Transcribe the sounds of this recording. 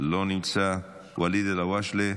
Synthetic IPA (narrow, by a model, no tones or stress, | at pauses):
lonit͡sa | waliðelawaʃle